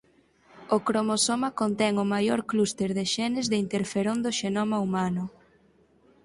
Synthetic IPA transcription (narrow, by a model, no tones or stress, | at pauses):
okɾomosomakont̪ɛŋʊmajoɾklust̪eɾðeʃɛnɪzðɪint̪eɾfeɾond̪oʃenomaumanʊ